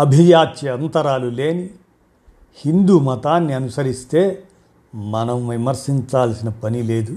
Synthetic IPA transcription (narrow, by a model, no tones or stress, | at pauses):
ɐbʱijaːt̪t͡ʃiɐnt̪ɐɾaːluleːni | hind̪uːmɐt̪aːnːiɐnusɐɾist̪e̞ː | mɐnɐmʋimɐɾsiɲt͡ʃaːlsinɐpɐnile̞ːd̪u